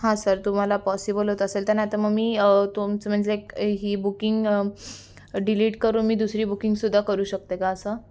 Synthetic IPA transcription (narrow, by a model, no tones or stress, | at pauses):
ɦãsəɾt̪um̤alapɔsibəlɦot̪oəselt̪əɾnaat̪aməɡmiːt̪umt͡səm̤əɳd͡zlekɦiːbukiŋɡ | ɖiliːʈkəɾuːnmiːd̪usɾiːbukiŋɡsud̪ʱːakəɾuːɕək̚t̪ekaːsə